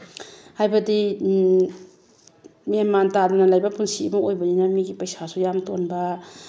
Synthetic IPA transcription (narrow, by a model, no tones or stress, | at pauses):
hajbɐdi | memantadunalajbapunsibuŋojbɐninamiɡipɐjsasujamtonba